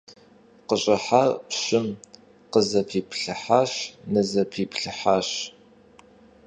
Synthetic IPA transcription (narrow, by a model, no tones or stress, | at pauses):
qəɕʼɐħapɕɪm | qəzɐpʰiːpɬɨħaːɕnɨzɐpʰiːpʰɬɨħaːɕ